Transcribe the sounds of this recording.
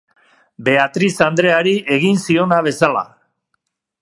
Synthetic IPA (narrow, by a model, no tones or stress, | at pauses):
be̞at̪ɾisand̪ɾe̞aɾiʔe̞ɣinsio̞naβ̞e̞sala̰